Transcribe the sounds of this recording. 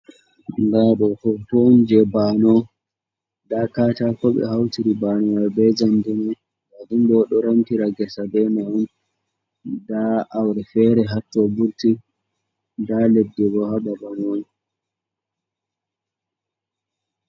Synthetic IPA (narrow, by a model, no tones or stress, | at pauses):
ndaɗɔfɔfond͡ʒɛbanɔ | dakaːtakɔɓɛ̰hawtiɾibanɔwɛbɛd͡ʒandina | badumbɔɗɔɾamtiɾaɡɛsadɛnaun | daʔawɾɛfɛɾɛɦatːɔbuɾti | daledːɛɡɔhaɓabamoːni